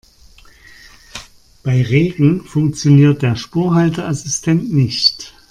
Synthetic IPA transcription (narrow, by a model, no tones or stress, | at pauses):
b̥aɪʁeːɡŋ̩fʊŋk̚t͡sjoniːɐt̚d̥eːɐʃpuːɐɦaltɐʔasɪstʰɛntnɪçt